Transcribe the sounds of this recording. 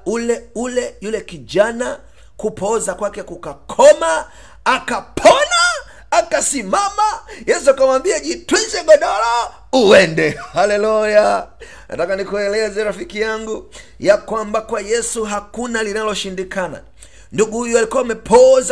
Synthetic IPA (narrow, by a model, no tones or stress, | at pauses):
ulɛulɛjulɛkiʄana | kupɔzakwakɛkukakʰɔmaː | kapʰɔnaː | kasimamajɛsuakamambiaʄitwizɛɡɔɗɔla | uwɛndɛhalɛluja | na̰takanikuɛlɛzɛɾafikijaŋɡu | jakwambakwajɛsuɦakunalinalɔʃindikana̰ | nduɡuhujualikuamɛpʰɔza